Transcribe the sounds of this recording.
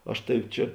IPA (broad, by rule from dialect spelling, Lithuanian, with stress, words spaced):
ˈɐʃ ˈtɑːʋʲɪ ˈt͡ʃʲɛ